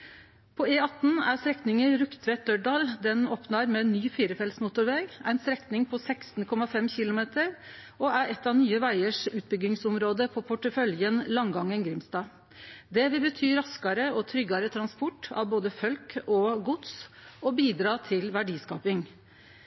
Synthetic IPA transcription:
pʰɔeːɑt̪n̩æst̪ɾɛknɪŋəɾʉkt̪ʰʋɛt̪̚d̪œɖɑːld̪ɛnoːpnɑɾmɛnːyːfiːɾəfɛlsmʊːt̪ʊɾʋeːɡæ̰ɪnst̪ɾɛknɪŋpʰɔsæɪkst̪n̩kʰɔmɑfɛmçɪlʊmeːt̪əɾʔɔæɾɛt̪ːɑʋnyːəʋæɪəʂʉːt̪̚bʏɡɪŋsʊmɾoːd̪əpʰɔpʰʊʈəfœljənlɑŋɡɑŋːənɡɾɪmst̪ɑː | d̪ɛʋɪlbət̪ʰyːɾɑskɑɾəɔt̪ʰɾʏɡɑɾət̪ʰɾɑnspɔʈɑ̰ʋboːd̪əfœlkɔɡʊt̪sɔbiːd̪ɾɑːt̪ʰɪlʋæɖiːskɑːpɪŋ

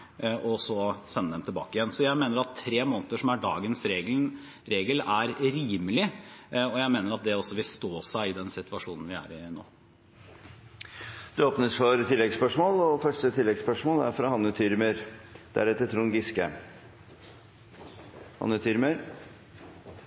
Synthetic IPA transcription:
ʔɔsɔsɛnːəd̪ɛmt̪ʰɪlbɑːkəɪjɛnsɔjæɪmeːnəɾɑt̪ʰːɾeːmoːnt̪əʂɔmæɖɑ̰ːɡənsɾeːɡ | ɾeːɡəlæɾɾiːməlɪɔjæɪmeːnəɾɑt̪̚d̪ɛɔsːɔʋɪlst̪oːsæɪɪd̪ɛnsɪt̪ʋɑʂuːnn̩ʋɪæ̰ːɾɪno̰ː | d̪̥ʉoːpnəsfɔɾt̪ʰɪlːɛɡspœʂmoːlɔfœʂʈət̪ʰɪlːɛɡspœʂmoːlæ̰ɾfɾɑhɑnːʉt̪ʰyɾməɾd̪̥æ̰ɾɛt̪ːət̪ʰɾuːnɡɪskə̰ | hɑ̰nʉt̪ʰʏɾməɾ

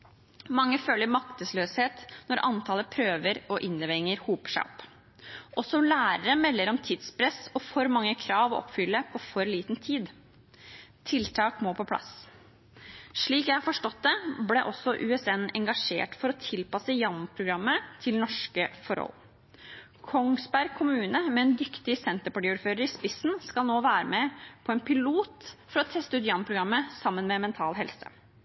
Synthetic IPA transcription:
mɑŋːəføːləɾmɑkt̪əsløːsheːt̪nɔɾʔɑnt̪ʰɑːləpʰɾøːʋəɾɔʔɪnd̪əʋɛŋːəɾhuːpʂæ̰ɔ̰pː | ʔɔsɔlæːɾəɾəmɛlːəɾɔmt̪ʰiːd̪spʰɾɛsɔfɔɾmɑŋːəkʰɾɑːʋɔʔɔ̰pːfʏlːəpʰɔfɔɾliːt̪nt̪ʰiːd̪ | t̪ʰɪlt̪ʰɑːkmoːpʰɔpʰlɑ̰s | ʂɭiːkjæɪhɑɾfɔʂʈɔt̪̚d̪ɛblɛʔɔsːɔʔʉɛsɛnɛŋɡɑʂḛːʈfɔɾɔt̪ʰɪlpɑsəjɑnpʰɾʊɡɾɑmːət̪ʰɪlnɔʂkəfɔɾɔ̰l | kʰɔŋsbæɾɡ̚kʰʊmʉːnəmɛɛːnd̪ʏkt̪ɪsɛnt̪əɾpɑʈɪuːɾføːɾəɾɪspɪsːn̩skɑlnoːʋæːɾəmɛpʰɔɛnpʰɪluːt̪fɔɾɔt̪ʰɛst̪əʉːt̪jɑnpʰɾʊɡɾɑmːəsɑmːənmɛmɛnt̪ʰɑːlɦɛlsə̰

